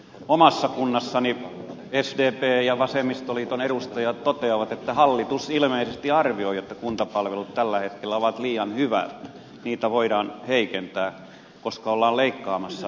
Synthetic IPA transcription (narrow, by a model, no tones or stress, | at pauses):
omɑsːɑkunːɑsːɑni | esdeːpeːjɑʋɑsemist̪olit̪oneɾust̪ɑjɑt̪tot̪eɑʋɑt̪et̪ːæhɑlːit̪usilmeisest̪iɑrʋioiot̪ːɑkunt̪ɑpɑlʋelut̪t̪ælːæhet̪kelːæoʋɑt̪liːjɑnhyʋæ̰t̪ | niːt̪æʋoiɾɑːnheikent̪æː | koskɑolːɑːlleikːɑːmɑsːɑ